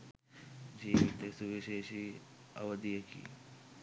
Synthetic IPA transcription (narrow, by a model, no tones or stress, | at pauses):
d͡ʒiːʋit̪esuʋiʃeːʃiː | ɐ̰ʋəd̪ijəkḭː